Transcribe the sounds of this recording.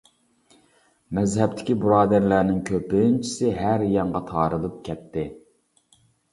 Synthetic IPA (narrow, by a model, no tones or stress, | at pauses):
mɛzɦɛp̚t̪ʰɪ̥kʲibuɾɑːd̪æɾlæɾnɪŋkʲʰøpɪnt͡ʃʰi̥sɪɦæɾjɑŋʁɑt̪ʰɑːɾɨlˠɨp̚kʲʰɛt̪ʰːɪ